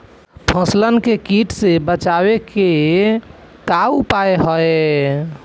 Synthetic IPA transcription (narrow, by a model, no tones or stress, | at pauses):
pʰə̃slənkekiʈsebət͡ʃabeke | kaupaeɦɔe